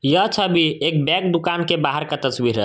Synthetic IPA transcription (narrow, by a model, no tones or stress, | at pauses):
jət͡ʃʰəbʱiek̚bɛk̚d̪ukankebaɦəɾkat̪əsbiɾə